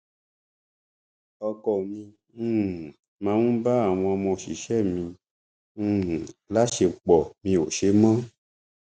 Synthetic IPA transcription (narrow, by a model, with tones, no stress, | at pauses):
ɔ˧kɔ˨mĩ˧˦˨ | mã˧˦ŋũ˦ba˦a˨w̃ɔ̃˧ɔ˧mɔ̃˧˨ʃi˨ʃɛ˦˨mĩ˧˦˨ | la˦ʃe˧˨k͡pɔ˨mĩ˧o˨ʃe˨˦mã˦